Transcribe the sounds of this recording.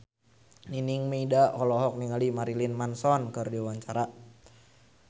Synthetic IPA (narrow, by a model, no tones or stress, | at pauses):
niniŋmeidaʔhɔlɔɦɔk̚niŋalimaɾilinmansɔnkɨrdiwaɲt͡ʃaɾa